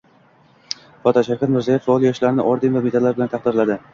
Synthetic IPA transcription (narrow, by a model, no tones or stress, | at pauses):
fɒt̪ʰaʃaɾkʲʰat̪mɪɾzijɪffaɒlˠjɒʃlaɾɪnɪʔɒɾd̪ɪnvamet̪ʰalːaɾbɪlant̪ʰɑχd̪ɪɾlad̪ɪ